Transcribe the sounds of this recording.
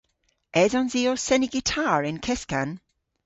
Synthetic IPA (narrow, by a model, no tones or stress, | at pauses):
ɛðɔnziːɔsɛnɪɡɪtʰaːɹɪnkʰɛskan